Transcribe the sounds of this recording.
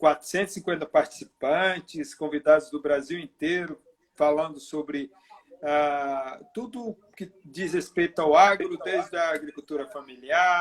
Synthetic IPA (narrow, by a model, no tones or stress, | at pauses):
kwat̪ɾʊ̥sẽnt̪ʊ̥sĩŋkwẽnt̪ɐpaɾt͡ʃi̥sipɐ̃t͡ʃɪskõvid̪ad̪ʊzd̪ʊbɾaziwẽnt̪eɾʊ | falɐ̃nd̪ʊsobɾɪ | at̪ud̪ʊː | kɪd͡ʒizhespejt̪awaɡɾʊd̪ezd̪ɐːɡɾikut̪uɾɐfamilia